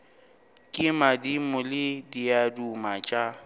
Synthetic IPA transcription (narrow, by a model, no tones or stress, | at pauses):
kʼɪmadimʊlɪdiadumat͡ʃʼa